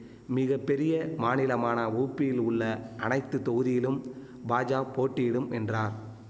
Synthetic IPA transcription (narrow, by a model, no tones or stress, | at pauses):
mɪɣɐpːɛɾɪjɐmaːnɪlɐmaːnɐuːpːɪjɪlʊɭːɐʔɐnɐɪt̪ːɯt̪ɔɣɯðɪjɪlɯm | baːd͡ʒaːpoːʈːɪjɪɽɯmɛndraːɾ